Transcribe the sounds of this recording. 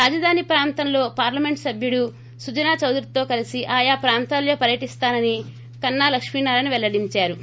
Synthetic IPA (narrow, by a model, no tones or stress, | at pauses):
ɾaːd͡ʒɐd̪ʱaːnipɾaːnt̪ɐmlo̞ːpaːɾlɐme̞ɳʈsɐbʱjuɽu | sud͡ʒɐnaːt͡ʃɐwd̪ɾit̪o̞ːkɐlisiʔaːjaːpɾaːnt̪aːljoːpɐɾjɐʈist̪aːnɐni | kɐnːaːlɐkʂminaːɾɐniʋɛlːɐɽiɲt͡ʃaːɾu